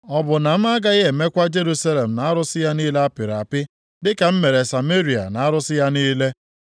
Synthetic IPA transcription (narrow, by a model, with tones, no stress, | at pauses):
ɔ˨bʊ˨na˨m̩˦a˦ɡa˦ɪ˦ɦe˨me˦kʷa˦d͡ʒe˦ɾu˦sa˦le˨m̩˨na˨a˦ɾʊ˦sɪ˦ja˦niː˦le˦a˦pɪ˨ɾa˨pɪ˦ | dɪ˦ka˨m̩˦me˨ɾe˨sa˨me˦ɾi˨a̰˨na˨a˦ɾʊ˦sɪ˦ja˦niː˦le˦